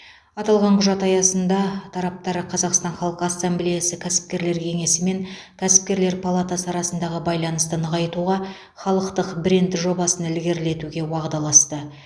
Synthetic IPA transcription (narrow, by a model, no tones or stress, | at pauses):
ɑt̪ɑlˠʁɑɴqʰʊʒɑt̪ɑjɑsənd̪ɑt̪ʰɑɾɑp̚t̪ɑɾqʰɑzɑqst̪ɑnχɑlˠəqəasːamblijasɪkʲʰæsɪ̥p̚kʲe̞ɾle̞ɾkʲʰe̞ŋe̞sɪme̞ŋ | kʲʰæsɪ̥p̚kʲe̞ɾle̞ɾpʰalˠat̪asəɑɾɑsənd̪ɑʁəbɑjlˠɑnəst̪ənəʁɑjt̪uʁɑ | χɑlˠəqt̪əqbɾe̞nd̪ɪʒo̞bɑsənɪlɡʲe̞ɾle̞t̪uɡʲe̞wɑʁd̪ɑlˠɑst̪ə